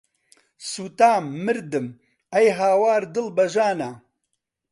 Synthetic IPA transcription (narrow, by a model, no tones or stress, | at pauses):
suːt̪aːmːɨɾd̪ɨm | ɐjɦaːwaːɾd̪ɨlbɐʒaːna